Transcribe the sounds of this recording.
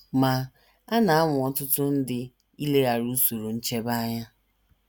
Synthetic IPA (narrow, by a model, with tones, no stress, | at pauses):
ma˨ | a˦na˨a˦ŋʊ˨ɔ˨tʊ˦tʊ˦n̩˦dɪ˦ | i˦le˦ɣa˨ɾu˦so˨ɾo˨n̩˦t͡ʃe˦ba˦ɲa˦